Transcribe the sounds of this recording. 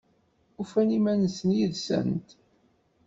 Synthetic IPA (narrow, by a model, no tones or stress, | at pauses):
ufænimænsənjiðsə̰nt̪